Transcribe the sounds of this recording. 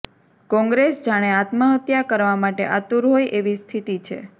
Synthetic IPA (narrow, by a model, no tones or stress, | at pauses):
kɔ̃ŋɡɾesd͡ʒaɽ̃eat̪məɦət̪jakəɾʋamaʈḛʔat̪uɾɦojʔeʋist̪ʰit̪it͡ʃʰḛ